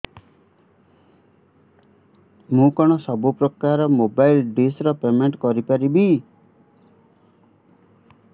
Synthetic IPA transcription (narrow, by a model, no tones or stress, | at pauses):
mũkɔɽ̃ɔsɔbupɾɔkaɾɔmobajlɖisɾɔpemeɳʈkɔɾipaɾibi